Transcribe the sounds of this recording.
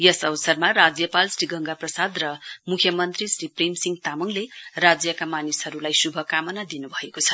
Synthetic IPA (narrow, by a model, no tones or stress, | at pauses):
jʌsʌwsʌrmarad͡zjʌpalsriɡʌŋɡaprʌsad̪rʌmukʰjʌmʌnt̪risriprimsiŋɡt̪amuŋlerad͡zjʌkamanisɦʌɾulajsubʱʌkamʌnad̪inubʱʌekot͡sʰʌ̥